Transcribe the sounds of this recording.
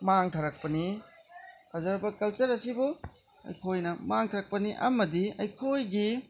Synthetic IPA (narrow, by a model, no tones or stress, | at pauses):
maŋtʰɐɾɐk̚pɐni | hazɐɾbɐkɐlt͡ʃɐɾɐsibu | ɐ̰jkʰojnɐmaŋtʰaɾɐk̚pɐniʔɐ̰mɐdiɐjkʰojɡi